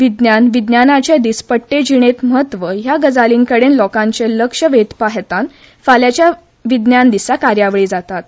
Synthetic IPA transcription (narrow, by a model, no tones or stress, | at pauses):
ʋid̪njanʋid̪njanat͡ɕed̪ispəʈːed͡ʑiɽ̃et̪məɦət̪ːʋəjaɡəd͡zaliːŋkəɽenlɔkãɲt͡seləkʂəʋet̪paɦt̪an | faljat͡ɕja | ʋid̪njand̪isakaɾjaʋɭiːd͡zat̪at̪